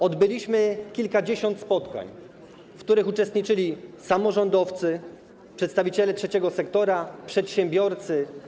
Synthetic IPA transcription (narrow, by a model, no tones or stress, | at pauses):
ɔd̪bɘlʲiɕmɘkʲilkad͡ʑeɕɔnt̪spɔt̪ka̰ɲ | fkt̪uɾɘxut͡ʂɛst̪ɲit͡ʂɘlʲisamɔʐɔnd̪ɔft̪sɘ | pʂɛt̪st̪avʲit͡ɕɛlɛtʂɛt͡ɕɛɡɔsɛkt̪ɔɾapʂɛt̪ɕɛmbʲjɔɾt̪sɘ